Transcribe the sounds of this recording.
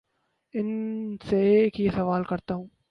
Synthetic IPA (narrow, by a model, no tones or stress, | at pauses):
ɪnseːkɪjɐsɐʋaːlkɐɾt̪ːɐʋ